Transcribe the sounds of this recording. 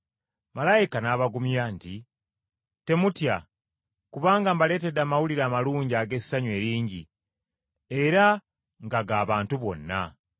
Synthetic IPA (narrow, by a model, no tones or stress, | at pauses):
malajikanaːβaɡumjanti | te̞mutja | kuβaːŋɡambale̞ːte̞daːmawuliɾaːmaluːɲɟaːɡe̞sːaɲwe̞ːɾiːɲɟḭ | e̞ɾa | ŋɡaɡaːβaːntuβo̞̰nːa̰